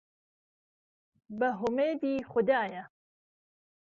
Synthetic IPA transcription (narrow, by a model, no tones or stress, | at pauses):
bɐɦʊmeːd̪iːxʊd̪aːjɐ